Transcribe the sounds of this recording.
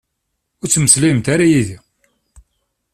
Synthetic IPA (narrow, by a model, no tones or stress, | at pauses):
ʊɾt͡sːməslimt̪aɾajiði